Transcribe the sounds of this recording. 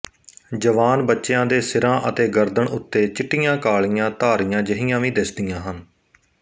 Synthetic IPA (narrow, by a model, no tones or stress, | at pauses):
d͡ʒəʋaːnbətːʃjãːd̪eːsɪɾãːʔət̪eːɡəɾd̪əɳʊt̪ːeːt͡ʃɪʈːɪjãːkaːɭɪjãːt̪aːɾɪjãːd͡ʒəɦɪjãːʋĩːd̪ɪsd̪ɪjãːɦən